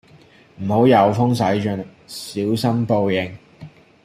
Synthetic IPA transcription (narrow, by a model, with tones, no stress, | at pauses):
m̩˨˩ho˨˥wjɐ˨˧wfʊ˥ŋsɐ˨˥jt͡ʃɵ˧˥n | siː˨˥wsɐ˥mpo˧wjɪ˨ŋ